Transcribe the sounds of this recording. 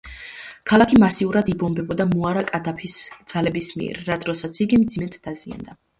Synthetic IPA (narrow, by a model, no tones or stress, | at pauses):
kʰalˠakʰimasiuɾad̪ibɔmbɛbɔd̪amuaɾakʼad̪apʰisd̪z̥alɛbismḭɛ̰ɾːad̪ɾɔsat̪sʰiɡimd̪zimɛt̪ʰd̪̥azia̰nd̪a